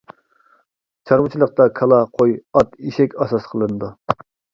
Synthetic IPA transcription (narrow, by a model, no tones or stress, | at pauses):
t͡ʃʰɑɾwɨt͡ʃʰilˠəq̚t̪ɑkʰɑlˠɑqʰojɑt̪iʃɛkʲɑsɑsqʰəlˠɨnɨd̪u